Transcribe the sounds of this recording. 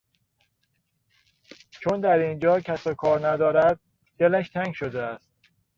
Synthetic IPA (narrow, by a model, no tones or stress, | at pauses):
t͡ʃʰond̪æɾind͡ʒɒːcʰæsɒkʰɒːɾnæd̪ɒːɾæd̪̚ | d̪̥elæʃt̪ʰæŋɡʃod̪eæst̪̚